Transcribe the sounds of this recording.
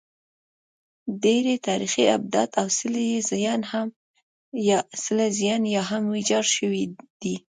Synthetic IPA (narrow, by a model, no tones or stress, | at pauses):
ɖeɾet̪ɑɾixiab̚d̪a̰t̪awsəlezjɑnham | jɑsɪlazijɑnjɑɦamwid͡ʒɑɾʃəwid̪̥i